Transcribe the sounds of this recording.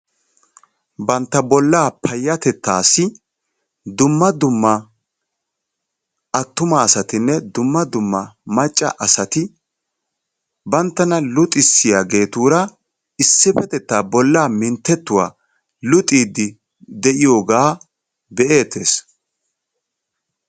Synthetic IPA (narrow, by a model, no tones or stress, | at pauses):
bɐnt̪ːɐbɔlːaːpʰɐjːɐt̪ɛt̪ːa̰ːsɪ | d̪ʊmːɐd̪ʊmːɐ | ɐt̪ːʊmaːsɐt̪ɪnːɛd̪ʊmːɐd̪ʊmːɐmɐt͡ʃʼːɐ̰ʔɐsɐt̪ɪ | bɐnt̪ːɐnɐlʊt̪ʼɪsːɪjaːɡe̞ːt̪uːɾɐ | ɪsːɪfɛt̪ɛt̪ːaːbɔlːaːmɪnt̪ːɛt̪ːʊwaː | lʊt̪ʼiːd̪ːɪ | d̪ɛʔɪjo̞ːɡaː | bɛʔe̞ːt̪ːe̞ːs